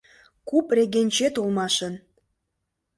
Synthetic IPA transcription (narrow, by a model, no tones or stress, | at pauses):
kupreɡenʲt͡ɕet̪olmɑʃə̆n